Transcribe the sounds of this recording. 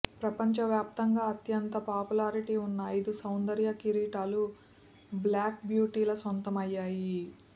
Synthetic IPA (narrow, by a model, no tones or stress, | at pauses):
pɾɐpɐɲt͡ʃɐʋjaːp̚t̪ɐŋɡaːɐt̪jɐnt̪ɐpaːpulaːɾiʈiːunːɐɐjd̪usɐwnd̪ɐɾjɐkiɾiːʈaːlu | blaːk̚bjuːʈiːlɐsont̪ɐmɐjːaːji